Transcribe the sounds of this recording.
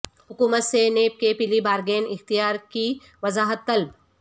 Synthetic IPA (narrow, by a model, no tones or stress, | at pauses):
hʊkuːmət̪seneːp̚kepilibaːɾɡeːnɪxt̪ijaːɾki | ʋɐzaːɦət̪ːɐlb̚